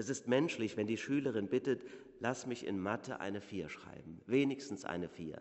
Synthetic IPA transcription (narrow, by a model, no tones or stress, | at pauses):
ʔɛsɪstmɛnʃlɪçv̥ɛndiːʃyːləʁ̞ɪnbɪtət | lasmɪçɪ̰nmatʰə̰ʔa̰ɪnəfiːɐʃʁ̥a̰ɪbm̩veːnɪçstn̩sʔa̰ɪnəfiːɐ